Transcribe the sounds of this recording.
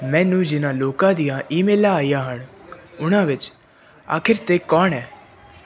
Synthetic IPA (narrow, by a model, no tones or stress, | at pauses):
mɛ̃ːnũːd͡ʒɪnãːloːkãːd̪ijãːʔiːmeːlãːaːijãːɦəɳʊnãːʋɪt͡ʃ | a̰ːkʰɪɾt̪eːkɔːɳɛː